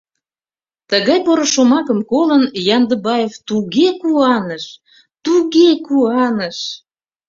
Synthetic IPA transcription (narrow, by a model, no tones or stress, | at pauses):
t̪əɣɑjpoɾoʃomɑkəmkolənjɑnd̪əbɑjeft̪uɣekuɑnəʃ | t̪uɣekuɑnəʃ